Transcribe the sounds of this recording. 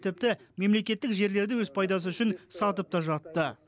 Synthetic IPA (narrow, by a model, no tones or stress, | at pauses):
t̪ʰɪp̚t̪ɪme̞mle̞kʲe̞t̪ːɪkʒe̞ɾle̞ɾd̪ɪwɵzpʰɑjd̪ɑs̬əʏʃɪnsɑt̪əp̚t̪ɑʒɑt̪ːə